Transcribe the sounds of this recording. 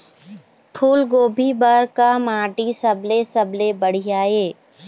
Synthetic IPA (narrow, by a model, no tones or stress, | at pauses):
pʰuːlɡoːbʱibəɾkamaːʈisɐblesɐblebəɽ̤ijaːeː